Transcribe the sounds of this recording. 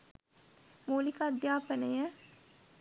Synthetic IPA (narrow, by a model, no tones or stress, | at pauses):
muːlikad̪jaːpənəjə